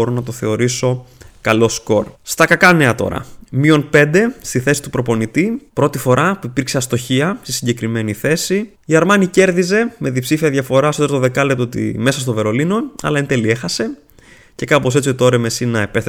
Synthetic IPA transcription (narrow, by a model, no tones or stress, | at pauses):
oɾonɐt̪o̞θe̞o̞ɾiso̞kɐlo̞sko̞ɾst̪ɐkɐkɐne̞ɐt̪o̞̰ɾɐ̰mio̞npe̞nd̪e̞st̪iθe̞si̥t̪upɾo̞po̞nit̪ipɾo̞t̪ifo̞ɾɐpuipiɾkseɐst̪o̞çiɐst̪isiɲɟe̞kɾime̞niθe̞si | iɐɾmɐnice̞ɾðize̞me̞ðipsifiɐðʝɐfo̞ɾɐsot̪ɾɐt̪oðe̞kɐlept̪oot̪ḭme̞sɐst̪ove̞ɾo̞lino̞ɐ̰lɐent̪e̞lie̞xɐse̞ | ce̞kɐpo̞set͡s̪siot̪oɾeme̞sinɐepe̞sθ